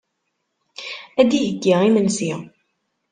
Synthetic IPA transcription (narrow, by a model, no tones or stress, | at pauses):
æd̪ijəɡːiʁimənsi